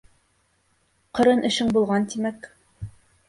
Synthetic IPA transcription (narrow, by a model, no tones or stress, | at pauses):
qɤ̆ɾɤnʔɘ̆ʃɘŋbulˠʁɑnt̪imæk